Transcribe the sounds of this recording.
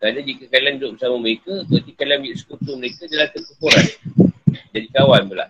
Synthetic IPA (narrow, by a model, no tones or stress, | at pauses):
kɾanad͡ʒikəkalianɾoʔbəsamaməɾekakəat̪ikalianmiʔsə̥kult̪uməɾekadalat̪ərkəpoɾan | d͡ʒadikawanbəla̰h